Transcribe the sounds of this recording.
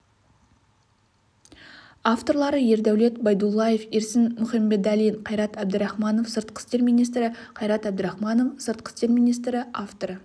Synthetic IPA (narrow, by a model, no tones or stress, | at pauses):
aft̪o̞ɾlˠɑɾəje̞ɾd̪æwle̞t̪bɑjd̪ulˠːɑje̞feɾsɪnmʊχɑmbe̞d̪ælijɴqʰɑjɾɑt̪æb̚d̪ɪɾɑχmɑno̞fsəɾt̪̚qʰə̥st̪e̞ɾmʲijnijst̪ɾɪ | qʰɑjɾɑt̪æbd̪ɪɾɑχmɑno̞fsəɾt̪̚qə̥st̪e̞ɾmijnijst̪ɾɪʔaft̪oɾə